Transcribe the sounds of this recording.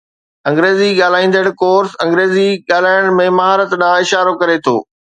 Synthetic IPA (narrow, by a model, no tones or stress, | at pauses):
ɐ̃ŋɡɾeːziɠaːl̤aːĩːnd̪əɽkoːɾsɐ̃ŋɡɾeːziɠaːl̤aːɪɽ̃mẽmɐɦaːɾət̪ɗãːɪʃaːɾokɐɾet̪ʰo̰ː